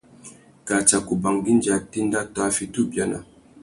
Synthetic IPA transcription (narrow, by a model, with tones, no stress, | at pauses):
ka˨t͡ʃa˨ku˨ba˨ŋɡi˦n˦d͡ʒa˨ti˦n˦da˦ta˦fi˨tu˦˨bja˦na̰˨